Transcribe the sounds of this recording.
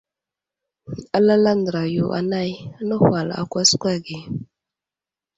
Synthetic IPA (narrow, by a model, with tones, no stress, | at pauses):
a˦la˦la˦ndɾa˨jo˨ʔa̰˨na˦˨jnə˦hwa˨la̰˨kʷa˦skʷa˦˨ɡi˨